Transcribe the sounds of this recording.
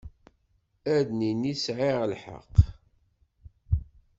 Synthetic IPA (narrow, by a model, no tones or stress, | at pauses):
æðninisʕɪʁlħə̰q